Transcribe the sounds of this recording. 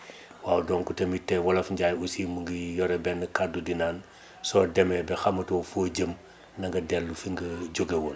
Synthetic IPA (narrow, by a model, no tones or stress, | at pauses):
waːwdɔːŋkutɐmitːɛwɐlɐfuɲɟaːjusimuŋɡijɔɾebɛnːɐkadudinaːn | sɔːdɛmɛbɛxamɐtofoɟəm | nɐŋɡɐdɛlːufiŋɡɐd͡ʒoɡewon